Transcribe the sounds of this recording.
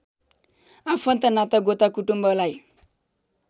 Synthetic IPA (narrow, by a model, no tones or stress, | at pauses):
apʰʌnt̪ʌnat̪ʌɡot̪akuʈumbʌlaj